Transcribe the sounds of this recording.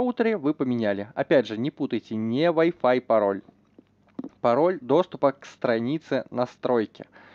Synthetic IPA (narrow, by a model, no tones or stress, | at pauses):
awt̪ɐɾɨvɨpɐmʲinʲalʲia̰pʲadʐɐnʲɛput̪ɐjt͡sʲɛnʲɛvajfajpaɾɔlʲ | paɾɔlʲd̪ɔst̪upɐkːst̪ɾanʲit̪sɨnast̪ɾɔjkʲɛ̰